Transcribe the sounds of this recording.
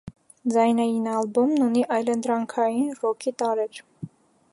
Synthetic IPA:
d͡zɑjnɑjinɑlbumnuniʔɑjlənd̪ɾɑŋkʰɑjinrɔkʰit̪ɑɾɛɾ

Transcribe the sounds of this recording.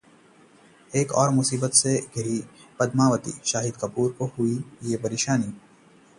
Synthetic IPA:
eːkɔ̰ːɾmʊsiːbət̪seɡʱɐɾipɐd̪maːʋət̪ḭʃaːɦɪd̪̚kɐpuːɾkohuijepɐɾeːʃaːni

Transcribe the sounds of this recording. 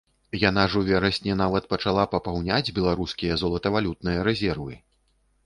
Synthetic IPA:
janaʐuvʲɛɾɐsʲnʲɛnavɐt̪̚pɐt͡ʂalˠapɐpawnʲad͡zʲbʲɛlˠaɾuskʲijɐzɔlˠɐt̪ɐvalʲut̪̚nɨjɐɾɛzʲɛrvɨ̰

